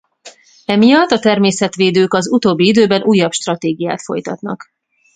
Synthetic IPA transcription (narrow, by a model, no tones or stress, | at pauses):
ɛmijɒt̪ːɒt̪ɛrmeːsɛt̪ʋeːd̪øːkɒzut̪oːbːiid̪øːbɛnʔuːjːɒpʃt̪rɒt̪eːɡija̰ːt̪fo̞̰jt̪ɒt̪nɒ̰k